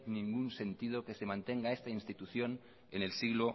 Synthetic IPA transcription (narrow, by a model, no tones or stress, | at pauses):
nĩŋɡunse̞nt̪ið̞oke̞semãnt̪e̞ŋɡae̞st̪ainst̪it̪uθjo̞n | ene̞lsiɣlo